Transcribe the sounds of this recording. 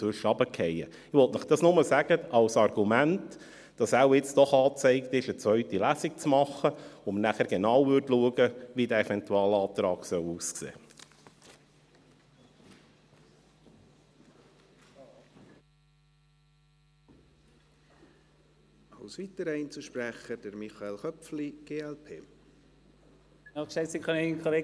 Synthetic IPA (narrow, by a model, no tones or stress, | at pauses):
øʃɑbəkʰɛjə | ɪʋɔltnəχd̥ɑsnʊməsæɡ̥əɑwsɑrɡ̥umænt | d̥ɑsæwɪt͡sd̥ɔχɑːt͡sɛɪkt̪ɪʃət͡sʋœʏt̪ilæːsik̚t͡smɑχːəomənæχæɾɡ̥enɑwʋʏɾtluəɡəʋidæɛfɛnt̪uɑːlɑːt̪ɾɑːɡ̥sœwuːsksḛː | ɑwsʋit̪əɾɛint͡suʃpɾæχəd̥əɾmiχɑelχœfliɡ̥eːɛlpʰḛː | ɑksɛɪtsikχɑnɛkʰχoleː